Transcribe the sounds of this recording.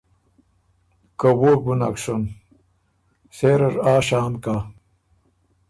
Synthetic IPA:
kɐwoɡunakʂon | seɾɐʐaːɕaːnka

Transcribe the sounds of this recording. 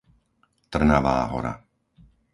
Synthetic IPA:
t̪r̩naʋaːɦɔ̰ɾa̰

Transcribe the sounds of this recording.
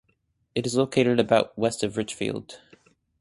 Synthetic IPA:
ɨɾɨzloʊkʰeɪɾɨɾɨbaʊt̚wɛstʌvɹɪt͡ʃfḭlˠd̥

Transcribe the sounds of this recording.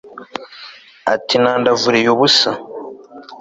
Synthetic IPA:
a̰tinaːndavuɾejoβusa

